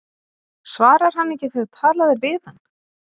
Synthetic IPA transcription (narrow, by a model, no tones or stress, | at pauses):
svaːɾaɾ̥hanːɛhcɪθœðt̪ʰaːlaðɪɾvɪːðanː